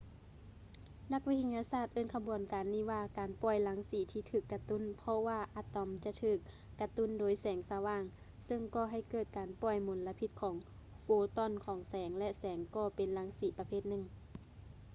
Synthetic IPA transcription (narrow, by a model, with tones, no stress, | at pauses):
na˧k̚wi˧t̪ʰa˧ɲaː˧saː˧˩t̪̚ʔɤː˧˥˨nkʰa˧bu˨˦ənkaː˨nːiː˧˩ʋaː˧kaː˨npɔː˧˩jla˨˦ŋsiː˨˦t̪ʰiː˧˦t̪ʰɯː˧˩kːa˧t̪u˧˥˨npʰɔ˧waː˧ʔa˧t̪ɔ˨˦mt͡ɕa˧ʔt̪ʰɯː˧˩k̚ː | a˧t̪u˧˥˨ndoː˨˦jsɛː˨˦ŋsaː˧waː˧˩˨ŋ | sɤ˧ŋkɔː˧˩ɦa˧˩jkɤː˧˩t̪̚kaː˨npɔː˧˩jmo˨˦nla˧pʰi˧t̪̚kʰɔː˨˦ŋ | foː˧t̪ɔ˧˥˨nkʰɔː˨˦ŋsɛː˨˦ŋlɛ˧ʔsɛː˨˦ŋkɔː˧˩pe˨nla˨˦ŋsiː˨˦pa˧pʰeː˧˩t̪̚nɯ˧˨ŋ